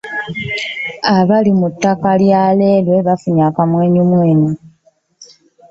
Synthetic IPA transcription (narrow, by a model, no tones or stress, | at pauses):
aβalimutːakaljale̞ːlwe̞βafuɲakamwe̞ːɲumwe̞ːɲi